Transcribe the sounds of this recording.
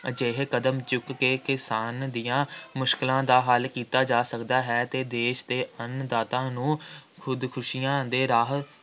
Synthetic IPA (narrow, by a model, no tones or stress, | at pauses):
d͡ʒeːɦkəd̪əmt͡ʃʊkːeːkɪsaːnd̪ijãːmʊʃkɪlãːd̪aːɦalkiːt̪aːd͡ʒaːsəkd̪aːɦɛːt̪eːd̪eːʃd̪eːənd̪aːt̪ãːnũːkʰʊd̪kʰʊʃijãːd̪eːɾaːɦə